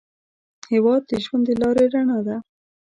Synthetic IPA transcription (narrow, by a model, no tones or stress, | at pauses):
hewɑd̪̚d̪əʒwand̪əlɑɾeɾaɳad̪a